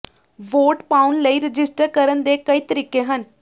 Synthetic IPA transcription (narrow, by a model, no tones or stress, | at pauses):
ʋoːʈpaːʊnləiːɾɪd͡ʒɪsʈəɾkəɾənd̪eːkəiːt̪əɾiːkeːɦən